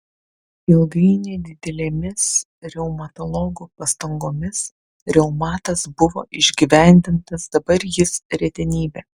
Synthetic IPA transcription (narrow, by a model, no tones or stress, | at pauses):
ɪlˠɡɐɪnʲɛd̪ʲɪd̪ʲɛlʲeːmʲɪs | ɾʲɛʊmɐt̪ɔlˠɔɡuːpɐst̪ɐŋɡoːmʲɪs | ɾʲɛʊmɑːt̪ɐsbʊʋoːʔɪʒʲɡʲiːʋʲæˑnʲd̪ʲɪnt̪ɐsd̪ɐbɐɾjɪsɾʲɛt̪ʲɛnʲiːbʲɛː